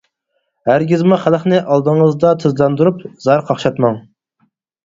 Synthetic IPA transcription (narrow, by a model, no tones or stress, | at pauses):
hæɾɡʲizmuχælˠəχnɨʔɑlˠd̪əŋəzd̪ɑt̪ʰɨzlˠɑnd̪uɾupzɑɾqʰɑχʃɑt̪mɑŋ